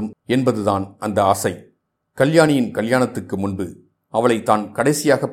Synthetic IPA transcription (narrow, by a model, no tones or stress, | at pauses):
ɯmɛnbɐðɯðaːnɐnd̪ɐɐsɐɪ | kɐljaːnɪjɪnkɐljaːnɐt̪ːɯrkːɯmʊnbɯ | ɐʋɐɭɐɪt̪ːaːnkɐɽɐɪsɪjaːɣɐpː